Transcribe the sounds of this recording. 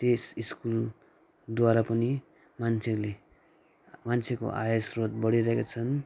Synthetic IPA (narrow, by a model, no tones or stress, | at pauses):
t̪esiskul | d̪waɾapʌni | mant͡sʰele | mant͡sʰeko̰ʔa̰josrot̪̚bʌɽiɾʌɦekat͡sʰʌn